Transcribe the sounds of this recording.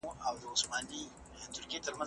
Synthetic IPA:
awdoʊsmaːni | tʊɾkʲeːtɐɾmɐ

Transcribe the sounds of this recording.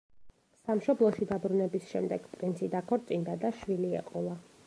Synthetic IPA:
samʃɔblˠɔʃid̪abɾunɛbisʃɛmd̪ɛɡ̥pʼɾint̪sʰid̪akʰɔɾt̪sʼind̪ad̪aʃwiliɛ̰qʼɔlˠa

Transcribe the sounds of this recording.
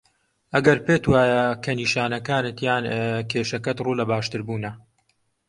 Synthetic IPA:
ʔɐɡɐɾpeːt̪waːjɐkʰɐniːʃaːnɐkaːnɨt̪jaːnkʰeːʃɐkɐt̪ruːlɐbaːʃt̪ɨɾbuːnɐ

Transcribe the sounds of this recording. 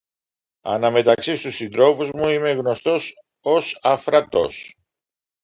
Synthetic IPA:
ɐ̰nɐme̞t̪ɐksist̪usind̪ɾo̞fuzmuime̞ɣno̞st̪o̞s | osɐfɾɐt̪o̞̰s

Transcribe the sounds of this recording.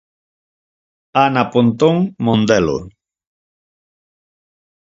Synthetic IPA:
anapont̪oŋmõnd̪elo̰

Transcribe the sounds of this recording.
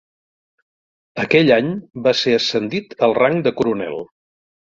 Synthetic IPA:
əkɛʎaɲbaseəsənd̪it̪əlˠraŋd̪əkuɾunɛ̰lˠ

